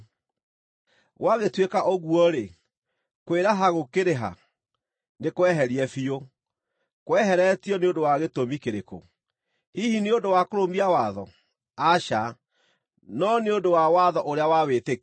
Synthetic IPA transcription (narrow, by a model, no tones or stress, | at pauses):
ɣwaɣetwekaʔoɣuɔɾe | kweɾaɦaɣokeɾeɦa̰ | nekowɛɦɛɾiɛfio | kowɛɦɛɾɛtiɔneondowaɣetomikeɾeko̰ | hihineondowakoɾombiawaðɔ | aʃa | nɔneodowawaðɔʔoɾeawawete